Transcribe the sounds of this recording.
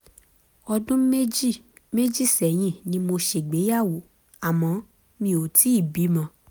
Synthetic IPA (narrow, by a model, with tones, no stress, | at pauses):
ɔ˧dũ˦e˦ | me˦d͡ʒi˦˨sɛ˨j̃ĩ˧˨nĩ˧˦mo˧ʃe˧˨ɡ͡be˨˦ja˦˨wo˨˦ | a˨mɔ̃˨˦ | mĩ˧˦o˨ti˨˦i˦˨bi˨˦mã˧˦